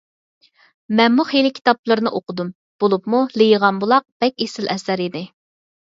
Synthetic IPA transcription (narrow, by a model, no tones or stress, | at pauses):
mɛnmuχelɪkʲʰi̥t̪ɑp̚lˠəɾnɨʔoqʰʊd̪um | b̥olˠupmulɪjəʁɑnbulˠɑq̚b̥ɛkʲesɪlɛsæɾid̪ɪ